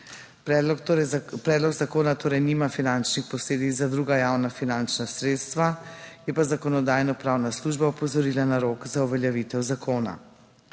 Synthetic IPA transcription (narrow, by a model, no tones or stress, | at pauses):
pɾɛːd̪lɔɡzakoːnat̪oːɾɛjnimafinant͡ʃnixpɔsleːd̪izad̪ɾuɡajawnafinant͡ʃnasɾeːt̪st̪ʋajɛpazakɔnɔd̪aːjnɔpɾaːwnasluʒbaupɔzɔɾiːlanaɾoːkzauʋɛljaʋit̪ɛwzakoːna̰